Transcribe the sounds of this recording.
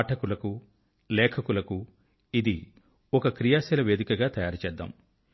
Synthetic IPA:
ʈɐkulɐku | lɛːkʰɐkulɐku | id̪i | ɔkɐkɾijaːsɛlɐʋeːd̪ikɐɡaːt̪ɐjaːɾut͡ʃɛːd̪ːa̰ːm

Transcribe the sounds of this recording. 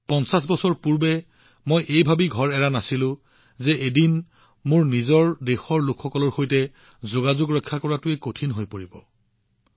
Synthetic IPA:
pɔnsas̬bɔsɔɹpuɹbɛ | mojʔejbʱabiɡʱɔɹɛɹanasilʊ̃ | zɛʔedin | mʊɹnizɔɹdexɔɹlʊkʰxɔkɔlɔɹxojtɛ | zoɡazʊɡɹɔjkʰːakɔɹatʊekotʰinɦojpoɹibɔ

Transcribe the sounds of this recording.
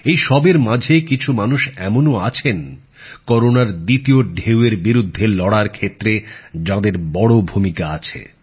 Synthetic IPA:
ejʃɔbeɾmãd͡ʑʱekit͡ɕʰumanuʃɛmonoat͡ɕʰen | kɔɾonaɾd̪it̪ioɖʱeweɾbiɾud̪ʱːelɔɽaɾkʰet̪ːɾed͡ʑãd̪eɾbɔɽobʱumikaat͡ɕʰḛ

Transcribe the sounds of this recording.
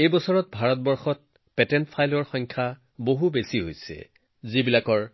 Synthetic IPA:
ejbɔsɔɹɔt̚bʱaɹɔt̚bɔɹxɔt̚ | pɛtɛntpʰajlɔɹxɔŋkʰa | boɦubesiɦojsɛ̰ | zibilakɔɹ

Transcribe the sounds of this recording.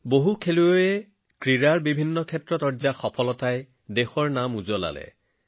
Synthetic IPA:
boɦukʰeluoɛ | kɹiɹaɹbibʱinːɔkʰɛtɹɔtɔɹzaxɔpʰɔlɔtaj | dexɔɹnamuzɔla̰lɛ̰

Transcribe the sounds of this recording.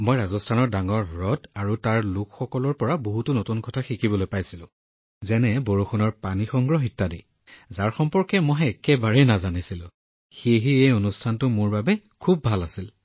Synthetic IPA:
mojɹazɔstʰanɔɹdaŋɔɹɹɔdaɹutaɹlʊkxɔkɔlɔɹpɔɹaboɦutunotunkɔtʰaxikibɔlojpajsilʊ̰̃ | zɛnɛboɹoxɔnɔɹpanixɔŋɡɹɔɦitːadḭ | zaɹxɔmpɔɹkɛmɔjɦɛkɛbaɹɛnazanisilʊ̰̃ | xeɦiejonustʰantʊmʊɹbabɛkʰubːʱalasil

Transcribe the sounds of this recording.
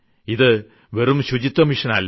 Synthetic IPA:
iðɨ | ʋerumɕud͡ʑit̪ːɐmiʂɐnɐlː

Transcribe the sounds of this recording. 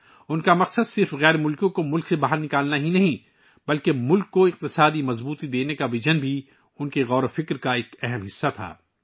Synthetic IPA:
ʊnkamɐqsəd̪sɪɾfɣɛːɾmʊlkõkomʊlksebaɦəɾnɪkaːlnaɦinɐɦĩ | bɐlkemʊlkːoɪq̚t̪ɪsaːd̪imɐzbuːt̪id̪eːnekaʋɪd͡ʒənbʱi | ʊnkeɣɔːɾofɪkɾkaeːkɛɦɛmɦɪsːat̪ʰa̰ː

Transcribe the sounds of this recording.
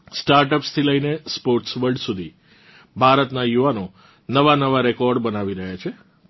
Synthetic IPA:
sʈaɾʈəpst̪ʰiləinespoɾʈsʋəɭɖsud̪ʱi | bʱaɾət̪najuʋano | nəʋanəʋaɾekɔɾɖbənaʋiɾəɦjat͡ʃʰe

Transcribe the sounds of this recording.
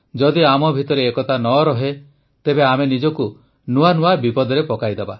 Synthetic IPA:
d͡ʒɔd̪iamɔbʱit̪ɔɾeːkɔt̪ʰanɔɾɔɦe | t̪ebeamenid͡ʒɔku | nuanuabipɔd̪ɔɾepɔkajd̪eba

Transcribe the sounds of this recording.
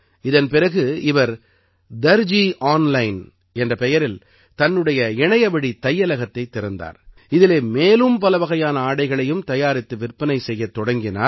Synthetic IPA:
ɪðɐnpɪɾɐɣɯɪʋɐɾ | d̪ɐɾd͡ʒiːʔaːnlɐɪn | ɛndrɐpɛjɐɾɪl | t̪ɐnːɯɽɐjɐɪɳɐjɐbɐɽit̪ɐjːɐlɐɣɐt̪ːɐɪt̪ːɪɾɯnd̪a̰ːɾ | ɪðɪleːmeːlɯmpɐlɐʋɐɣɐjaːnɐaːɽɐɪɣɐɭɐjɯmt̪ɐjaːɾɪt̪ːɯʋɪrpːɐnɐɪsɛjːɐt̪ːɔɽɐŋɡɪna̰ː

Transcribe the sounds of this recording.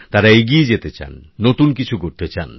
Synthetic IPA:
t̪aɾaeɡied͡ʑet̪et͡ɕa̰nːot̪unkit͡ɕʰukoɾt̪et͡ɕa̰n

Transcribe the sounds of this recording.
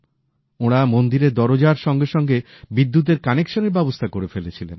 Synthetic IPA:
oɽ̃amond̪iɾeɾd̪ɔɾod͡ʑaɾʃɔŋɡeʃɔŋɡe | bid̪ːut̪̬eɾkanekʃoneɾbɛbost̪ʰakoɾefelet͡ɕʰilḛn

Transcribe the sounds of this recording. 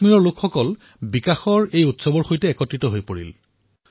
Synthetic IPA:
miɹɔɹlokʰxɔkɔl | bikaxɔɹejutsɔbɔɹxojtɛːkɔtɹitɔɦojpoɹḭl

